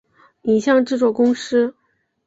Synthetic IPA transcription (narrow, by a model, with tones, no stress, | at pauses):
ni˨˩ɕjɑ˥˧ŋʈ͡ʂ̩˥˩t͡swɔ˨˩kʊ˥ŋʂɻ̩˥